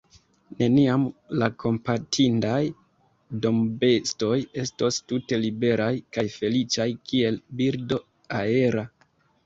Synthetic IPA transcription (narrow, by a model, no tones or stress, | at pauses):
ne̞niamlako̞mpatʰindaj | do̞mbe̞sto̞je̞stostute̞libe̞ɾajkajfe̞lit͡ʃajkie̞lbiɾdo̞ | ae̞ɾa